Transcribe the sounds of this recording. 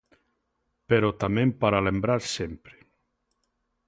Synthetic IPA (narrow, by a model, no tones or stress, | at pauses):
peɾɔt̪amẽmpaɾalembɾaɾsempɾe̥